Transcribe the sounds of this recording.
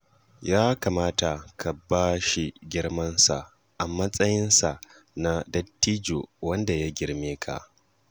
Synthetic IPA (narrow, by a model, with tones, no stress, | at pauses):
jaː˦kaː˨maː˦ta˨kʰa˨baː˦ʃi˨ɡʲɪ˦ɽmɐ˦nsa̰˨ʔ | ʔa˨mɐ˦sʼɐ˦jɪ˦nsa˨ | na˦dɐ˦tːiː˦d͡ʒoː˨wɐ˦nda˨ja˦ɡʲɪ˦ɽmeː˦kʰa̰˨ʔ